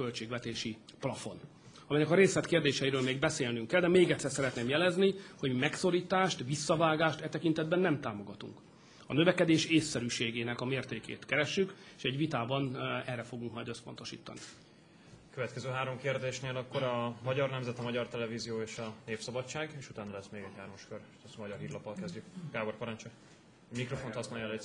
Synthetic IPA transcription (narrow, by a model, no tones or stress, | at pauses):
ølt͡ʃeːɡvɛt̪eːʃiplɒfo̞̰n | ɒmɛjnɛkɒɾeːslɛt̪keːrd̪eːʃɛiɾøːlmeːɡbɛseːlnyŋkːɛld̪ɛmeːɡɛt̪sːɛrsɛɾɛt̪neːmjɛlɛzniho̞ɟmimɛkso̞ɾiːt̪aːʃt̪ʋisːɒvaːɡaːʃt̪ɛt̪ɛkint̪ɛd̪bɛnːɛmt̪aːmo̞ɡɒt̪ṵŋk | ɒnø̞vɛkɛd̪eːʃeːsːɛɾyːʃeːɡeːnɛkɒmeːrt̪eːkḛːt̪kɛɾɛʃːykeʃɛɟʋit̪aːbɒnɛrːɛfo̞ɡuŋkmɒjd̪øspo̞̰n̪t̪o̞ʃḭːt̪ːɒ̰ni | køvɛt̪kɛzøːɦaːɾo̞mkeːrd̪eːʃneːlɒkːo̞ɾɒmɒɟɒrnɛmzɛt̪imɒɟɒrt̪ɛlɛvizijoːeːʃɒneːfsɒbɒt͡ʃːaːɡeːʃut̪aːnɒlɛsmeːɡɛchaːɾmɒʃkørt̪ɛsmɒɟɒrɦiːrlɒpːɒlkɛzɟykɡaːborpɒɾɒnt͡ʃɔ | mikro̞fo̞nhɒsnɑjɛlɛ